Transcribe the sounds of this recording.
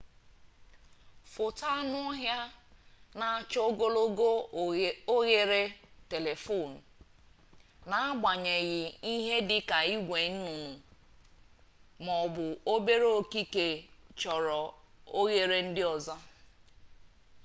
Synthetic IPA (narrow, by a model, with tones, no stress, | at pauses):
fʊ˨ta˦nʊ˦ɔ˦ɦja˦ | na˨a˨t͡ʃɔ˦o˦ɡo˦lo˦ɡo˦ | o˦ɣe˦ɾe˦te˨le˨fo˦˨n̩˨ | na˨a˦ɡ͡ba˨ɲe˨ɣɪ˨i˦ɦe˦dɪ˦ka˨i˦ɡʷe˨n̩˦nu˨nu˨ | mɔ˨bʊ˨o˦be˦ɾo˦˨ki˦ke˨t͡ʃɔ˨ɾɔ˨o˦ɣe˦ɾe˦n̩˦dɪ˦ɔ˨zɔ˦